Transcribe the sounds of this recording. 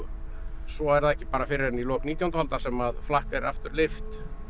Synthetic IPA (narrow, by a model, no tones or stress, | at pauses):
sɔɛɾðaðɛhcɪpaːɾafɪɾɪɾɛnilɔːkniːt̪jawnt̪ahalt̪asɛmaðflahkɛɾa̰ft̪ʏɾlɪft̪